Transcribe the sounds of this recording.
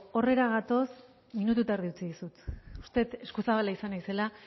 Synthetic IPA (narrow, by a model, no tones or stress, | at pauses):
o̞re̞ɾaɣat̪o̞s | minut̪̬ut̪aeɾð̞iut͡siðisut̪ust̪e̞t̪e̞skusaβalaisanajse̞la